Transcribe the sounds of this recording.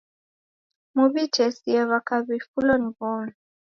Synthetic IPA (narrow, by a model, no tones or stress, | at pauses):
muβitʰɛsiɛβakʰaβifulɔnibɔn